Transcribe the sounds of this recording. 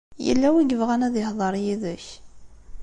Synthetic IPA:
jə̰lːæwiɡəvʁænæðɪhðˤɑɾˤjiðəç

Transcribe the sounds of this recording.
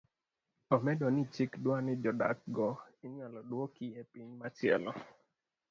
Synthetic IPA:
ɔmɛdɔnɪt͡ʃikdwanɪd͡ʒɔda̰k̚ɡɔɪɲwalɔdwokɪjɛpiɲmat͡ʃɪɛ̰lɔ

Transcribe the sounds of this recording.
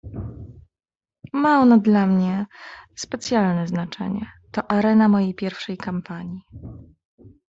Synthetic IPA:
maɔnɔd̪lamɲɛspɛt̪sʲjalnɛznat͡ʂɛ̰ɲɛ̰t̪ɔʔaɾɛnamɔjejpʲjɛɾfʂɛjkampaɲi

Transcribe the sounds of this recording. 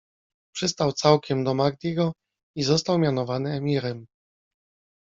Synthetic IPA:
pʂɘst̪awt̪sawkʲɛmd̪ɔmaɡ̚d̪ʲiɡɔ | izɔst̪awmʲjanɔvanɘɛmʲiɾɛm

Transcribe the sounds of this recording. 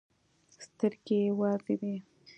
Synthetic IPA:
st̪əɾɡejawɑzed̪i

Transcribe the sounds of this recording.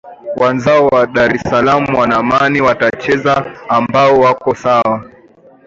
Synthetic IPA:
wʔanzaɔwaɗaɾɛsalamuwanamaniwatat͡ʃɛzaːmbaɔwakɔsawa

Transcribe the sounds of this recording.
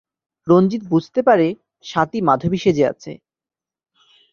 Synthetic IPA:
ɾond͡ʑit̪̚bud͡ʑʱt̪epaɾe | ʃat̪imad̪ʱobiʃed͡ʑea̰t͡ɕʰḛ

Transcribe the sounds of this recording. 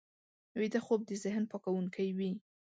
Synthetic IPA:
wid̪axob̚d̪əzɪɦnpɑkawuŋkʰajwi

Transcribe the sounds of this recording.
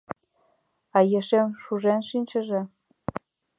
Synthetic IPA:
ɑjeʃemʃuʒenʃinʲt͡ɕə̆ʒĕ

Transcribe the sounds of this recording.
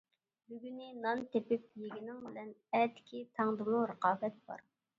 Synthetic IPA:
byɡʲynɪnɑnt̪ʰepɪp̚jeɡʲinɪŋbɪlɛnɛt̪ɪ̥kʲʰit̪ʰɑŋd̪ɨmˠuɾəqɑːbɛt̪̚b̥ɑ̰ɾ

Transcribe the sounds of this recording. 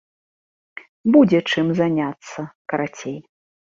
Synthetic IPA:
bud͡zʲɛt͡ʂɨmzanʲat̪sːɐkɐɾat͡sʲej

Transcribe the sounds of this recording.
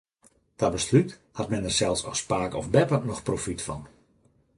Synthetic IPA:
tabəslyt | hatmɛnərsɛlˠsɔspaːkɔfbɛpənɔxprofitfɑ̰n

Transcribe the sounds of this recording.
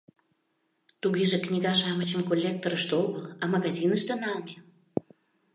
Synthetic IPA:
t̪uɣeʒĕknʲiɣɑʃɑmət͡ɕəmkolʲːek̚t̪oɾəʃt̪oɣəlɑmɑɣɑzʲinəʃt̪enɑlme

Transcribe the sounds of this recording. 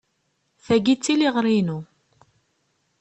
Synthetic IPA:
θæɡit͡sːiliʁɾˤinu

